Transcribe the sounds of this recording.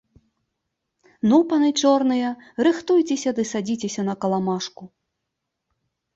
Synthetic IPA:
nupɐnɨt͡ʂɔrnɨjɐɾɨxt̪ujt͡sʲesʲɐd̪ɨsad͡zʲit͡sʲesʲɐnɐkɐlˠamaʂku

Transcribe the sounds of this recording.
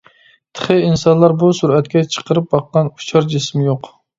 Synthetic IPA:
t̪ʰə̥χɨinsɑnlˠɑɾbusuɾɛt̪kʲɛt͡ʃʰə̥qəɾɨp̚bɑqːɑnu̥t͡ʃʰɑɾd͡ʒismɪjoq

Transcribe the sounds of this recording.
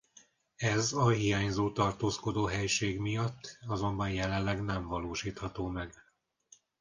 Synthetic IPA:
ɛzɒɦijaːɲzoːt̪ɒrt̪oːsko̞d̪oːɦɛjʃeːɡmijɒt̪ːɒzo̞mbɒnjɛlɛnlːɛɡnɛɱvɒloːʃiːt̪hɒt̪oːmɛɡ

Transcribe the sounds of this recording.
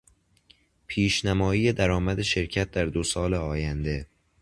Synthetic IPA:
pʰiːʃnæmɒːiːje̞d̪æɾɒːmæd̪e̞ʃe̞ɾcʰæt̪̚d̪æɾd̪osɒːleɒːjænd̪e̞

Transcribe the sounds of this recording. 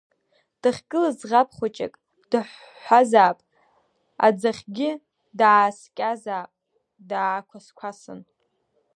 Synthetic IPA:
d̥ɨχʲkʼɨlazʁapʰχʷat͡ʃʼa̰kʼ | d̥ɨħ | ħʷazaːpʼ | a̰d͡zaχʲɡʲɪ | daːskʲʼazaːpʼ | daːkʷʰaskʷʰasɨ̰n

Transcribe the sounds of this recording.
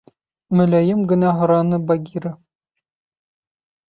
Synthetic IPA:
mɵ̆læjɘmɡɘ̆næɦŏɾɑnɤbaɡʲiɾɤ

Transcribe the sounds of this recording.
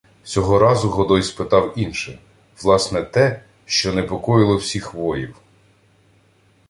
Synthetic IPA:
t͡sʲsʲɔɦɔɾɑzʊɦɔd̪ɔjspɪt̪ɑwinʃɛ | ʋlˠɑsnɛt̪ɛ | ʃt͡ʃɔnepɔkɔjɪlˠɔwsʲixʋɔjiw

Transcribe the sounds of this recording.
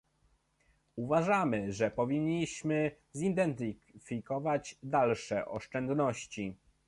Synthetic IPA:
uvaʐamɘʐɛpɔvʲiɲːiɕmɘ | zid̪ɛnt̪ɘfʲikɔvad͡ʑd̪alʂɛʔɔ̰ʂt͡ʂɛnd̪nɔɕt͡ɕi

